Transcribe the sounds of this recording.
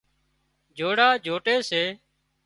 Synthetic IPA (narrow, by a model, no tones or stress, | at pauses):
d͡ʒʱoːɽaːd͡ʒʱoːʈeːseː